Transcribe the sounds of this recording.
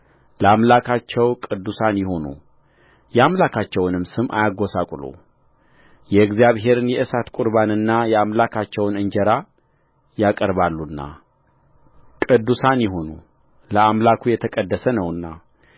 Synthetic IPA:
ləamlakʰat͡ʃːɛwkʼɨd̪ːusanjɪho̞nṵ | jɛamlakʰat͡ʃːɛwnɨmsɨmʔa̰jaɡo̞sakʼulo̰ | jɛɡzijaβɦe̞ɾɨnjɛʔɨsat̪kʼʊɾβanɨnːajɛamlakʰat͡ʃːɛwnɨɲd͡ʒɛɾa | jakʼəɾβalːunːa̰ | kʼɨd̪ːusanjɪɦo̞nu | ləamlakʰujɛt̪ʰəkʼəd̪ːəsənəwɨnːa

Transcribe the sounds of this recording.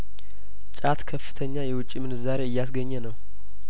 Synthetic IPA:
t͡ʃʼat̪kʰəfːɨ̥t̪ʰəɲːajɛwʊt͡ʃʼːimɨnɨzaɾeɨjːasɡəɲːɛnəw

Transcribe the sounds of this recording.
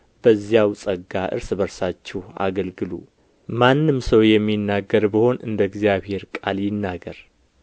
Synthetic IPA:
b̥əzjawsʼəɡaʔɨ̰ɾsbəɾsat͡ʃːɛha̰ɡəlɡɨlṵ | manːɨmsəwjɛmːinːaɡːəɾbəho̞nɨnd̪əɡzijaβhe̞ɾkʼaljɪnːaɡəɾ

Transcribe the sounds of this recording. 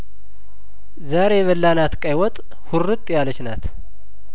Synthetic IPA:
zaɾe̞βəlːanat̪kʼajwɔt̪ʼ | hʊrːɨt̪ʼːjalət͡ʃnat̪

